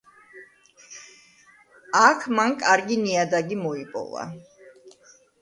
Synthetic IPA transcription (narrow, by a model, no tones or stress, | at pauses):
akʰmankʼaɾɡiniad̪aɡimɔipʼɔ̰va̰